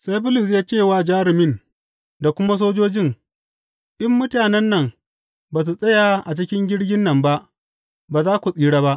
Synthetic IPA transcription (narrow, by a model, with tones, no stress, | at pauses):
sa˦jbʊ˦lɪ˨s̬jaː˦t͡ʃeː˦˨waː˦˨d͡ʒaː˦ɾɪ˨mɪ˦n | da˨kʷʊ˦ma˦s̬oː˦d͡ʒoː˦d͡ʒɪ˦˨ŋ | ʔɪ˦mːʊ˦taː˨nɛ˦nːɐ˨ŋ | baː˨s̬u˨sʼɐ˦ja˨ʔa˨t͡ʃɪ˦kʲɪ˦ŋɡʲɪ˦ɽɡʲɪ˦nːɐ˨mba˦ʔ | baː˨zaː˦kʷu˨sʼiː˦ɽaː˦ba˦ʔ